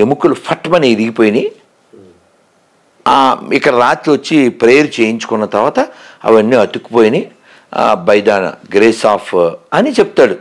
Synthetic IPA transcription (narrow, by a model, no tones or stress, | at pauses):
emukulupʰɐʈːmɐniiɾiɡipoːjni | ikːɐɽɐɾaːt̪lʋɐt͡ʃːipɾejɐɾt͡ʃe̞ːjiɲt͡ʃu̥kunːɐt̪ɐɾʋaːt̪ɐɐ̰ʋɐnːiɐt̪ukːupoːjinḭ | bɐjd̪aːnɐ̰ɡɾeːsaːpʰɐnit͡ʃebut̪aːɽu